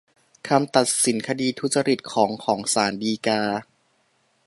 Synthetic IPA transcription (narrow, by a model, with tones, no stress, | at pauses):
kʰa˧mt̪a˨˩t̪̚si˩˦nkʰa˧diː˧t̪ʰu˦˥t̪̚t͡ɕa˧ɾi˨˩t̪̚kʰɔː˩˦ŋkʰɔː˩˦ŋsaː˩˦ndiː˧kaː˧